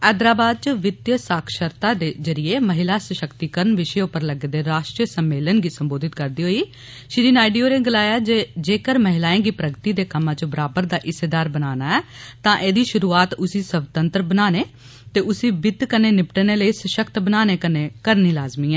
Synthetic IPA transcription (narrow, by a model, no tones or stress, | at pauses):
ɛːd̪ɾaːbaːd̪̚t͡ʃəʋɪt̪jəsaːkʰʃəɾt̪aːd̪eːzəɾɪjeːməɦɪlaːsəʃəkt̪iːkəɾənʋɪʃeʊpəɾləɡeːd̪eːɾaːʃʈɾəsəmːeːlənɡiːsəmboːd̪ʱɪt̪̚kəɾd̪iːɦoːiː | ʃɾiːnaːiɖijoːɾeːɡɪlaːjaːd͡ʒeːd͡ʒeːkəɾməɦɪlaːẽːɡiːpɾəɡt̪iːd̪eːkəmãːt͡ʃəbəɾaːbəɾd̪aːʔɪseːd̪aːɾbənaːnaːɛːt̪ãːʔeːd̪iːʃʊɾuːaːt̪ʊsiːsəbt̪ənt̪ɾəbənaːneː | t̪eːʔʊsiːbɪt̪kəneːnɪpʈneːləiːsəʃəkt̪bənaːneːkənẽːkəɾniːlaːzmiːɛ̃ː